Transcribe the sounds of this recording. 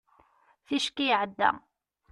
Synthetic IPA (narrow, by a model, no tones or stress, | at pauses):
θiʃkijʕəd̪ːæ̰